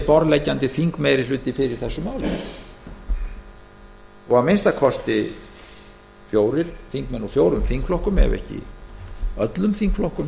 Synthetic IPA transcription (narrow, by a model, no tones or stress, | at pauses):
pɔɾlɛjcːant̪ɪθiŋkmejɾɪ̥lʏːt̪ɪfɪɾɪɾ̥θɛsːʏmaːwlɪ̰ | ɔɣamenst̪akʰvɔst̪ɪ | fjoːwɾɪɾ̥θiŋkmɛnɔfjoːwɾʏmθiŋkflɔhkʏmɛ̰vɛ̰hcɪ̰ | œt̪lʏmθiŋkflɔhkʏm